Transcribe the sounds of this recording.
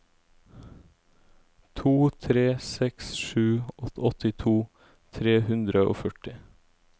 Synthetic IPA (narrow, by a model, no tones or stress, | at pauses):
t̪ʰuːt̪ʰɾeːsɛksʃʉːɔɔt̪ɪt̪ʰuː | t̪ʰɾeːhʉnd̪ɾəo̰ːfœʈɪ